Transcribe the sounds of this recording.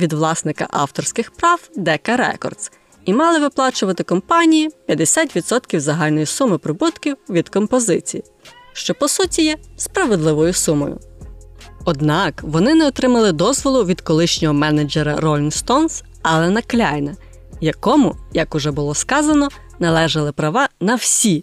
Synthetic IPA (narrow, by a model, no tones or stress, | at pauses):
ʋʲid̪ʋlˠɑsnɪkɐ̰ʔɑ̰wt̪ɔrsʲkɪxpɾɑwd̪ɛkɐɾɛ̰kɔ̰rd̪s | imɑlˠɪʋɪplˠɑt͡ʃʊʋɐt̪ɪkɔmpɑnʲijipʲjɐd̪esʲat̪ʲʋʲid̪sɔt̪kʲiwzɐɦɑlʲnɔjisumɪpɾɔbut̪kʲiwʋʲid̪kɔmpɔzɪt͡sʲiji | ʃt͡ʃɔpɔsutʲijɛspɾɐʋed̪lˠɪʋɔjʊsumɔ̰jʊ̰ | ɔd̪nɑkʋɔnɪnɛɔt̪ɾɪmɐlˠɪd̪ɔzʋɔlˠʊʋʲid̪kɔlˠɪʃnʲɔɦɔmɛnɐd͡ʒeɾɐ̰ɾɔlʲinst̪ɔns | ɐlˠɛnɐklʲɑjnɐ | jɐkɔmʊjɐkʊʒɛbʊlˠɔskɑzɐnɔ | nɐlˠɛʒɐlˠɪpɾɐʋɑnɐwsʲi